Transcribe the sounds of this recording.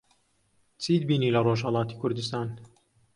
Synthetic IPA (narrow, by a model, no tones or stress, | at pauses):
t͡sʰiːd̪̚biːnilɐroːʒɦɐlˠɑːt̪ikʰʊɾd̪ɨst̪aːn